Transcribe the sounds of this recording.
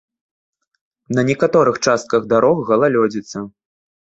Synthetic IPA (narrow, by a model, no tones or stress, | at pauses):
nɐnʲɛkat̪ɔɾɨxt͡ʂast̪̚kɐɣd̪aɾɔxːɐlˠalʲɔd͡zʲit̪sːɐ